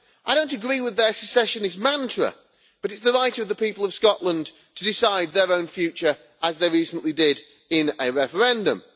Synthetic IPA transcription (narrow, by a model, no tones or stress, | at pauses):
aɪɾõʊ̃ntɨɡɹiːwɪðə˞səsɛʃɨ̃nɨzmãntʰɹə̰ | b̥ʌɾɨtsðəɹaɪtəvðəpiˑpəlˠʌv̥skɒʔlə̃n | tʰədɪsaɪd̪̚ðə˞õʊ̃nfjʉˑt͡ʃə˞ | ʔəzðeɪɹiˑsə̃nʔlidɪɾ | ɪ̃nəɹɛfə˞ɛ̃ndə̰̃m